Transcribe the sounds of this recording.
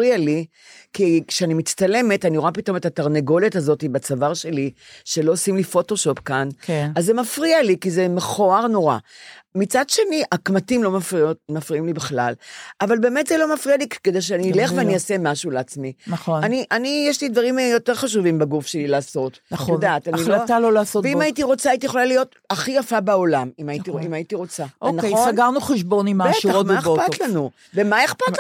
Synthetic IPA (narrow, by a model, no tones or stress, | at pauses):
ʁiali | kikʃeanimit͡st̪ale̞me̞taniʁoapito̞metataʁneɡo̞lithazo̞tibat͡savaʁʃe̞liʃe̞lo̞osimlifo̞to̞ʃo̞pkankazːemafʁialikizemeχo̞aʁnoʁamit͡sadʃe̞niʔakmatimlo̞mafiotmafʁiimlibeχlalʔavalbe̞ːmetzelo̞mafʁialikked̪elʃ̬eanile̞χveanijasemaʃuleat͡sminaχonaniʔanijeʃlid̪vaʁimjo̞te̞ʁχaʃ̬uvimbaɡufʃe̞lilaːso̞tnjodaːtannioalolaːsotveimaitiʁo̞t͡saːitijeχolalijo̞t | aχijafabeolamimaitiimaitiʁo̞t͡saonaosaɡaʁnuχeʃbo̞nimaeʁomeopat̪lanu | vemaeχpat